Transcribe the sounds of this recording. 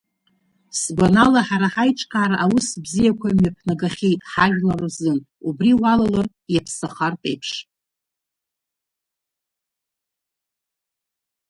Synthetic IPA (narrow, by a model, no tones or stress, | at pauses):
sɡʷanalaħaɾaħajt͡ʃʼqʲʼaːɾaʔawʊsbzijakʷʰamjapʰnaɡaχʲejtʼħaʒᶣlarzɨn | ubriwalalar | japʰsaχartʼe̞jpʰʂ